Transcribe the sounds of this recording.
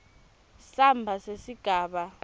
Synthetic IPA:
sambʱasesiɡ̥ʱaːɓa

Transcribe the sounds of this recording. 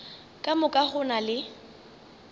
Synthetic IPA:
kʼamʊkʼaχʊnalɪ

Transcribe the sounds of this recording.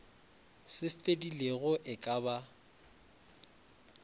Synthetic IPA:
sɪfedileɣʊʔɪkʼaba

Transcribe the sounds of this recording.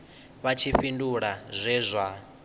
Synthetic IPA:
βat͡ʃʰiɸinduɺazʷɛːzʷa

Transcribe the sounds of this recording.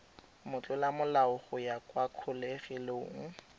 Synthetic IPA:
mʊt͡ɬʼʊlamʊlaʊχʊjakʼwakʰʊleχɪloʊŋ̩

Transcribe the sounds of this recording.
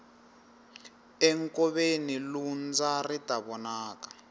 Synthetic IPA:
ɛŋkɔβenilund͡zaritaβɔnaːkḁ

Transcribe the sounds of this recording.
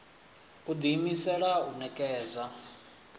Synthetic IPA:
ud̪imisɛɺaunɛkʼɛːd͡za

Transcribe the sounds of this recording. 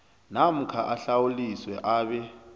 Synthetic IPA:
nam̩kʰaʔaɬawuliswɛʔaːɓɛ

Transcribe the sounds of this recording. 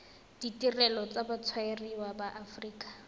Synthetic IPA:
d̥itirɛlɔt͡sabat͡sʰwaeriwabaʔafriːkʼḁ

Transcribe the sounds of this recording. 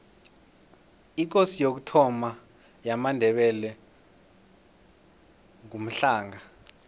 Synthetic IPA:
ik̬osijok̬utʰɔma | jamandʱɛɓɛlɛ | ŋum̩ɬaːŋa

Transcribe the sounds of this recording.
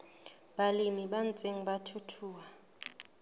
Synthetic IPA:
ɓalimiɓant͡sʼeŋ̩ɓatʰutʰuːwa

